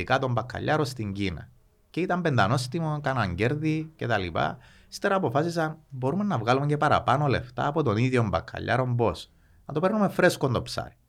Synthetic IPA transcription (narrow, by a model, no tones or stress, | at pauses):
ikɐt̪o̞mbɐkʰːɐ̰ʎːɐɾo̞st̪iɲɟinɐ̰ | ceit̪ɐmbend̪ɐno̞st̪imokɐnɐɲɟe̞ɾðice̞t̪ɐlipɐ̰ | st̪eɾɐːpo̞fɐsis̬ɐbo̞ɾume̞nːɐvɣalumeɲɟepɐɾɐ̰pɐno̞le̞ft̪ɐ̰ːpo̞t̪o̞niðjombɐkʰːɐ̰ʎːɐ̰ɾo̞mbo̞s | nɐt̪o̞pe̞ɾnumefɾe̞sko̞nd̪opsɐ̰ɾi̥